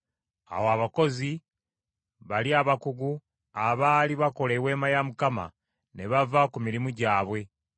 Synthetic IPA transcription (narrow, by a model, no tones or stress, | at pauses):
a̰woaβako̞zi | βaliaβakuɡu | aβaːliβako̞lewe̞ːmajamukama̰ | ne̞βavakumiɾimuɟaːβwe̞